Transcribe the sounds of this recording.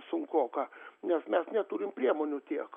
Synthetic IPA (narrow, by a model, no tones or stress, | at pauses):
sʊŋkoːkɑnʲɛsmʲɛsnʲɛt̪uɾʲɪmpʲɾʲiɛmoːnʲʊt̪ʲiɛk